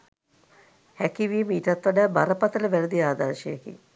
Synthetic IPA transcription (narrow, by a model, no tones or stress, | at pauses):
hækiʋiəməiʈɐt̪ʋaɖaːbaɾəpat̪ələʋæɾəd̪iaːd̪aɾʃəjekḭ